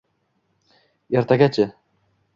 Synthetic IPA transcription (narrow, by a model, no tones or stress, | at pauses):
eɾt̪aɡʲat͡ʃʰɪ